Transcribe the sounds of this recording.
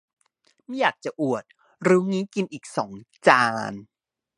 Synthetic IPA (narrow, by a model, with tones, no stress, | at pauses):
ma˦˥˩jaː˨˩k̚t͡ɕa˨˩ʔu˨˩ət̪̚ | ɾɯː˦˥ŋiː˦˥ki˧nʔiː˨˩k̚sɔ̰ː˩˦ŋt͡ɕaː˧n